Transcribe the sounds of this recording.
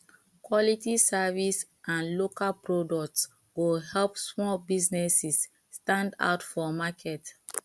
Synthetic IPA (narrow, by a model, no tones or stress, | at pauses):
kwɔlitisavis | ʔãnlokalpɹodɔkts | ɡoɦɛlpsmɔbiznɛsisː | tãnda̰ʊtfɔmakʰɛt